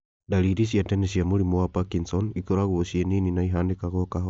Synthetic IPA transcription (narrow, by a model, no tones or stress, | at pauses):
daliɾisiatɛnesiamulimoapakinsɔnikoɾaɡuosienininaiɦandekakokaɦo